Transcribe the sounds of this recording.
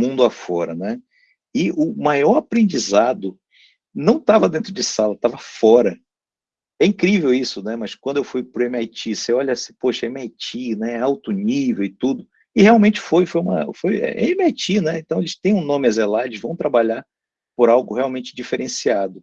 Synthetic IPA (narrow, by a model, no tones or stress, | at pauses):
mũnd̪ʊafɔɾɐnɛ | ɪʊmajɔɾapɾẽnd͡ʒizad̪ʊ | nɐ̃w̃t̪avɐd̪ẽnt̪ɾʊd͡ʒɪsalɐt̪avɐfɔɾɐ | ɛĩkɾivewisʊnɛmɐskwɐ̃nd̪ʊewfujpɾʊẽmajt͡ʃiseɔʎɐsĩ̥poʃɐẽmiajt͡ʃinɛɛawt̪ʊnivewɪt̪ud̪ʊ | ɪheawmẽt͡ʃɪ̥fojfojũmɐ̰fojɛ̰ʔẽmɪajt͡ʃinɛẽt̪ɐ̃w̃elɪst̪ẽj̃ũnõmɪazelalʊʃvɐ̃w̃t̪ɾabaʎaɾ | poɾawɡʊheawmẽnt͡ʃɪd͡ʒifeɾẽsiad̪ʊ